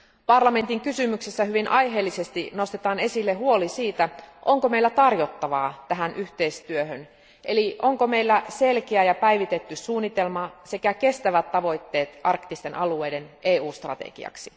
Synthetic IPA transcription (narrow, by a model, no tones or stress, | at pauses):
pɑrlɑme̞nt̪iŋkysymyksesːæɦyʋinʔɑjɦeːlːise̞st̪ino̞st̪et̪ɑːne̞silːeɦuo̞lisiːt̪æʔo̞ŋkome̞ilːæt̪ɑrjo̞t̪ːɑʋɑːt̪æɦænʔyht̪e̞ist̪yøɦøn | ʔeliʔo̞ŋkome̞ilːæse̞lkeæjɑpæiʋit̪e̞t̪ːysuːnːit̪e̞lmɑse̞kæke̞st̪æʋæt̪ːɑʋo̞jt̪ːe̞ːt̪ɑrkt̪ist̪e̞nʔɑlue̞jde̞nʔeːuːst̪rɑ̰t̪ḛɡ̥ḭɑ̰ksi